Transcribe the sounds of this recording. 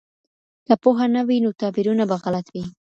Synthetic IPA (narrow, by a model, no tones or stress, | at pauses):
kapoɦanawinot̪ɑbiɾunabaɣalat̪wi